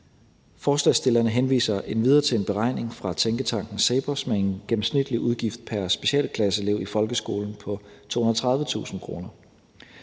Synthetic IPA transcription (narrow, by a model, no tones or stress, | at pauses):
fɒːslɛsd̥e̝lɐnəɦenʋḭːsɐʔe̝nʋiðˠɐːt͡sʰe̝e̝nb̥e̝ʁɑ̈ɪ̰ne̝ŋfʁɑ̈t͡sʰeŋɡ̥ət͡sʰɑ̈ŋ̰ɡ̥n̩seɪb̥ɒsmee̝nɡ̥em̩snid̥liʔuð̞ˠɡ̥ifd̥̚pʰæɐsb̥e̝ɕɛ̰ːlkʰlæsəele̝ʊ̰ifɒ̽lɡ̥əsɡ̥o̝̰ːln̩pʰɒ̽t͡sʰo̝̰ːhunɐt͡sʰʁɑ̈ð̞ˠʋət͡sʰṵːsn̩kʰʁo̝ːnɐ